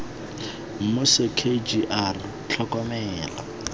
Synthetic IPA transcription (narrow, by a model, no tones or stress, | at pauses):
m̩mosɪkʰed͡ʒiʔar | t͡ɬʰɔkɔmɛːla̰